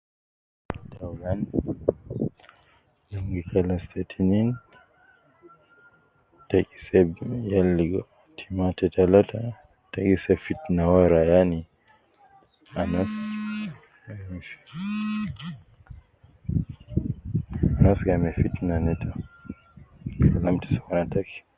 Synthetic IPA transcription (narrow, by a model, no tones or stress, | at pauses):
talan | naŋɡikʰalastʰɛtʰinin | takisɛbjalːiɡɔ | tʰimatɛtʰalatʰa | takisɛfitnawaɾajani | anas | mif | anasɡamɛfitnanɛtʰa | salamti̥swanatak